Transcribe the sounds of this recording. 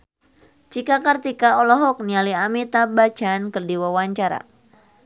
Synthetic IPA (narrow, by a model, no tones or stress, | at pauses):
t͡ʃikakart̪ikaɔlɔɦɔk̚nialiamit̪abḁd͡ʒankɨrdiwawaɲt͡ʃaɾa̰